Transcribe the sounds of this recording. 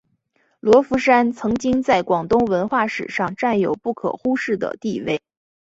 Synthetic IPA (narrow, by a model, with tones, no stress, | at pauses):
lwɔ˧˥fu˧˥ʂa˥nt͡sʰɤ˧˥ŋt͡ɕi˥ŋt͡sa˥˩ɪkwɑ˨˩ŋt̪ʊ˥ŋwə˧˥nxwa˥˩ʂɻ̩̰˨˩ʂɑ˥˧ŋʈ͡ʂa˥˩njo˨˩ʊpu˥˩kʰɤ̰˨˩xu˥ʂɻ̩˥˩d̪ə̰˩t̪i˥˧we˥˩ɪ